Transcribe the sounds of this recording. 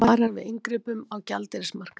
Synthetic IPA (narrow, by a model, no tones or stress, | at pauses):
aːɾavɪðɪŋkɾɪːpʏmawca̰lt̪ɪɾɪsmar̥ka